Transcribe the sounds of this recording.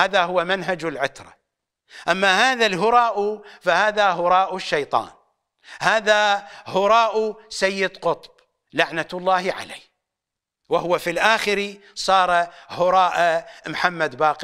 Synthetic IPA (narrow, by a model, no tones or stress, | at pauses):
aːðaɦʊwːamanɦad͡ʒɪlʕʊt̪ɾˤɑ | ʔamːahaːðalɦʊɾˤɑːʔufahaːðaɦʊɾˤɑːʔʊʃːɑjt̪ˤɑ̰ːn | haːðahʊɾˤɑːʔusajːɪd̪qʊt̪ˤb̥ | laʕnalˤːɑːhʕa̰laː | wahʊwafilʔaːxɪɾisˤɑːɾˤhʊɾˤɑːʔamħamːad̪baːq